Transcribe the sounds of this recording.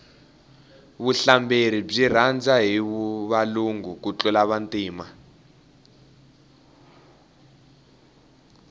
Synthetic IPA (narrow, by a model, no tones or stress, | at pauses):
βuɬambeɾ̤ib͡ʐir̤and͡zaɦiβuβaluŋɡuk̬ut͡ɬɔlaβantʼiːma